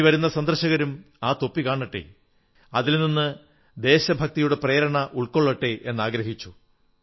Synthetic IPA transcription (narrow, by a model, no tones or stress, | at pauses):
iʋɐɾunːɐsɐnd̪rɐɕɐɣɐɾum | aːt̪o̞pːikaːɳːɐʈːe̞̰ | ɐðilninːɨ | d̪e̞ːɕɐbʱɐk̚t̪ɐjuɽe̞prejɐɾɐɳɐʔuɭkoɭːɐʈːe̞ʔe̞nːaːɡɾɐɦit͡ɕːu